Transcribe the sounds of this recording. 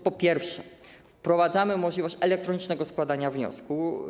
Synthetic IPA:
pɔpʲjɛɾfʂɛ | fpɾɔvad̪zamɘmɔʐlʲivɔɕt͡ɕɛlɛk̚t̪ɾɔɲit͡ʂnɛɡɔskwad̪aɲavɲɔ̰sku

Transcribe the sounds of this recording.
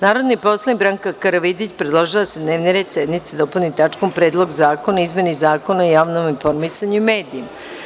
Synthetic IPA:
naːɾo̞d̪nipo̞slˠanibɾaŋkakaɾaʋid̪it͡ɕpɾed̪lˠoʒilased̪ne̞ːʋniɾed̪sed̪nit̪sed̪o̞pulʲnit̪at͡ʃkompɾe̞ːd̪lˠo̞ɡzaːko̞naizmenizaːko̞naojaːʋnominfo̞ɾmisaɲuimeːd̪iːma

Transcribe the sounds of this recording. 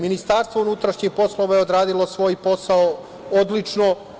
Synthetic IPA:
minist̪aɾst̪ʋounut̪ɾaʃɲixpo̞slˠoʋajeod̪ɾaːd̪ilˠosʋo̞ːjpo̞sao | od̪lit͡ʃno

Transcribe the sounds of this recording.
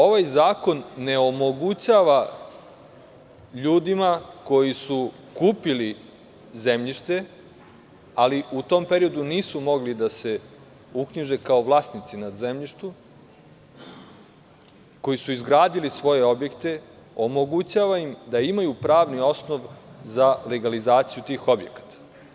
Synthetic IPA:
o̞ʋajzaːko̞nːe̞omo̞ɡut͡ɕaʋa | ʎuːd̪imako̞jisu | kuːpili | ze̞mʎiʃt̪e̞ | aliʔut̪o̞mpeɾio̞d̪uniːsumo̞ɡlid̪ase̞ | ukɲiʒe̞kao̞ʋlˠaːsnit̪sinad̪zemʎiʃt̪u | ko̞jisuizɡɾaːd̪ilisʋo̞je̞o̞bje̞kt̪e̞ | o̞moɡut͡ɕaːʋaimd̪aimajupɾaːʋnio̞snoʋzale̞ɡalizaːt̪sijut̪iːxo̞bjekḁt̪ḁ

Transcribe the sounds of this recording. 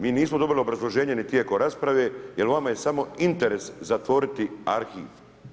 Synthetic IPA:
miːniːsmod̪o̞biliobɾazlˠo̞ʒe̞ːɲe̞nit̪jekoɾaspɾaʋeːjelʋamaje̞samo̞int̪eɾe̞szat̪ʋo̞ɾit̪iaɾxḭːʋ

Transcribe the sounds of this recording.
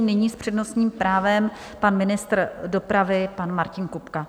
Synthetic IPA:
nɪɲiːspr̝̥ɛdno̞sɲiːmpɾaːvɛm | panmɪnɪst̪rdo̞pɾavɪpanmaɾcɪnkupka

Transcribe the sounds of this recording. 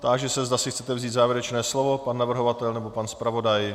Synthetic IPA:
t̪aːɡʒɛsɛzd̪asɪxtt͡sɛt̪ɛvziːt̪zaːvjɪɾɛt͡ʃnɛːslovo̞panːavr̩ɦo̞vat̪ɛlnɛbo̞panspɾavo̞daj

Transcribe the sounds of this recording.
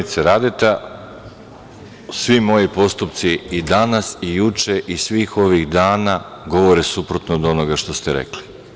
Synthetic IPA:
it̪seɾad̪et̪a | sʋimo̞jipo̞st̪upt̪siid̪anasijut͡ʃeʔisʋiːxo̞ʋiɣd̪aːna | ɡo̞ʋo̞ɾesupɾo̞t̪nod̪o̞noɡaʃt̪o̞st̪eɾḛkli

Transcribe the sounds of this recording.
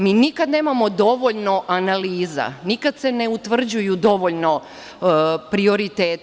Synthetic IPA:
miːnikad̪ne̞ːmamo̞d̪o̞ʋo̞ʎno̞ʔanaliːza̰nikad̪se̞neut̪ʋr̩d͡ʑujud̪o̞ʋoʎno̞ | pɾio̞ɾit̪eːt̪

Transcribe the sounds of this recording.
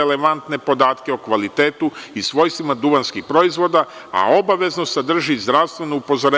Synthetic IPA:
eleʋant̪ne̞po̞d̪aːt̪ke̞okʋalit̪eːt̪uisʋo̞jst̪ʋimad̪uʋanskixpɾo̞izʋo̞d̪aa̰o̞baʋe̞znosad̪r̩ʒizd̪ɾaʋst̪vʋe̞nuupo̞zoɾe

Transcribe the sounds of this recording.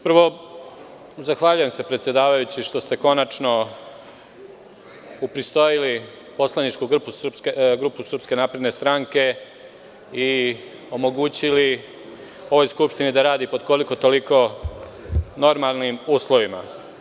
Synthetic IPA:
pɾ̩ʋo̞ | zaxʋaʎuje̞msepɾet̪sje̞d̪aːʋajut͡ɕiʃt̪o̞st̪e̞ko̞nat͡ʃno̞ | upɾist̪o̞jili | po̞slˠanit͡ʃkuɡpusɡɾupusr̩pske̞naːpɾe̞d̪ne̞st̪ɾaŋke̞ | i | o̞mo̞ɡuːt͡ɕili | o̞ʋo̞jskupʃt̪inid̪aɾaːd̪ipo̞d̪ko̞liko̞t̪o̞liko̞ | no̞ɾmalˠnimuːslˠo̞ʋima̰

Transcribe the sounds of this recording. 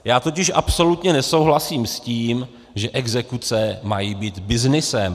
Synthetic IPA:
jaːt̪o̞cɪʃʔapso̞lut̪ɲɛnɛso̞wɦlasiːmsciːm | ʒɛʔɛɡzɛkut͡sɛmajiːbiːt̪bɪznɪsɛm

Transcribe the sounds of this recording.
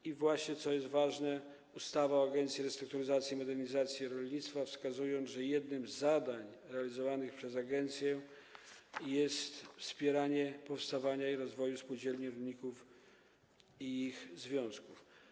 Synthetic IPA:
ivwaɕɲɛt̪sɔjɛst̪vaʐnɛ | ust̪avaɔaɡɛnt̪sʲjiɾɛst̪ɾukt̪uɾɘzat̪sʲjimɔd̪ɛɾɲizat̪sʲjiɾɔlʲɲit̪st̪fafskazujɔ̃nʐɛjɛd̪nɘmzːad̪aɲɾɛalʲizɔvanɘxpʂɛzaɡɛnt̪sʲjɛ | jɛst̪fspʲjɛɾaɲɛpɔfst̪avaɲaiɾɔzvɔjuspud͡ʑɛlɲiɾɔlɲikuf | iixzvʲjɔ̃w̃skuf

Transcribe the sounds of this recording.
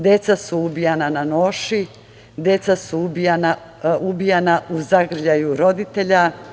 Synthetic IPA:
d̪je̞t̪sasuubijananano̞ːʃi | d̪e̞t̪sasuubijana | ubijanaʔuzaɡr̩ʎajuɾo̞d̪it̪e̞ʎa

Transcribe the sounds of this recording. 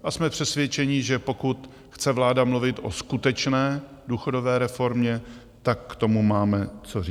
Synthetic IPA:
ʔasmɛpr̥ɛsvjɛt͡ʃɛɲɪʒɛpo̞kut̪ | xt͡sɛvlaːdamluvɪt̪ʔo̞̰skut̪ɛt͡ʃnɛː | duːxo̞do̞vɛːɾɛfo̞ɾmɲɛ | t̪akːt̪o̞mumaːmɛt͡sori

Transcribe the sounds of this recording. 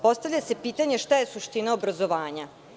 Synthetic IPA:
po̞st̪aʋʎʲase̞piːt̪aɲeʃt̪aje̞suʃt̪inaobɾazo̞ʋaːɲa

